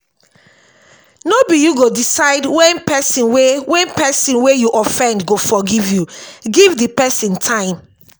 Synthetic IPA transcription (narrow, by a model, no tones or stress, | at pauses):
nobijuɡodisaɪdwɛ̃npɛsĩnwewɛ̃npɛsĩnwejuʔɔfɛ̃ndɡofɔɡivjuɡivdipɛsĩntʰãɪ̃m